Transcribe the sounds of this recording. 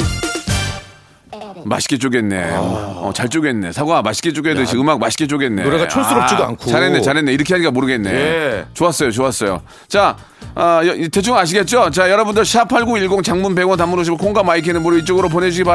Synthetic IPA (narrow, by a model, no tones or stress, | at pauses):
ma̰ɕʰi̥k͈et͡ɕ͈oɡe̞nnːḛʌ̰t͡ɕaɭt͡ɕ͈oɡe̞nːe̞̰sʰaɡoamaɕʰi̥ket͡ɕ͈oɡedɯiɯmak̚maɕʰi̥k͈et͡ɕ͈oɡenːeoɾeɡat͡ɕʰos͈ɯɾʌpt͡ɕ͈idoa̰nkʰoaɾɦenːet͡ɕaɾɦenːe̞iɾɯkʰeɦaɲik͈amoɾɯɡe̞nːet͡ɕoas͈ʌjot͡ɕoas͈ʌjo̰ | t͡ɕa | ʌjʌte̞t͡ɕʰuŋaɕ̬ʰiɡe̞t̚t͡ɕ͈ot͡ɕajʌɾʌbundɯɭɕʰapʰaɭɡuiɭɡoŋt͡ɕaŋmunpe̞ɡʌntamunoɕ̬ʰimkʰoŋɡamaik̬ʰenɯnmoɾit͡ɕ͈ʌɡɯɾop̬one̞d͡ʑʰuɡea